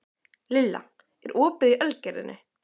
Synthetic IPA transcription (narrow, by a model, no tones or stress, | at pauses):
lɪlːa̰ | ɛɾʔɔːpɪðiʔœlcɛɾɪ̰nʔɪ